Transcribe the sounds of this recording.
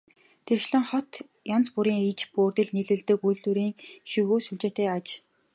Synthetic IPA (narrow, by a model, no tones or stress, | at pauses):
t̪ʰerʃɮɘ̆ŋχɔt̪ | jant͡spuɾiːŋit͡ɕpoːrt̪ɘ̆ɮniɮɘ̆ɮt̪ɘ̆kujɮt̪uɾiːŋʃuɣoːsuɮt͡ɕeːt̪æːat͡ɕ